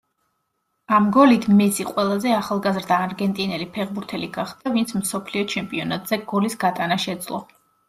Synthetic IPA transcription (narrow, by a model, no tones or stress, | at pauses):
amɡɔlit̪ʰmɛsiqʼwɛlˠazɛaχalˠɡazɾd̪aːɾɡɛnt̪ʼinɛlipʰɛʁbuɾt̪ʰɛliɡaχd̪avint̪sʰmsɔpʰliɔt͡ʃʰɛmpʼiɔnat̪ʼz̥ɛɡ̥ɔlisɡat̪ʼanaʃɛd̪z̥lˠɔ̰